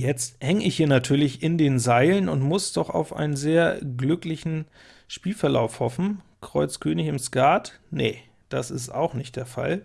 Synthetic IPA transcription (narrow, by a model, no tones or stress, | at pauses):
jɛt͡sthɛŋəɪçhiːɐnatʰyːɐlɪçɪndeːnzaɪlənʊntmʊsd̥ɔχa̰ʊfʔa̰ɪnənzeːɐɡlʏklɪçn̩ | ʃpiːlfɛɐla̰ʊfhɔfn̩ | kʁ̥ɔʏt͡skʰøːnɪçɪmskaːtnə | d̥asɪsta̰ʊxnɪçt̚d̥eːɐfa̰l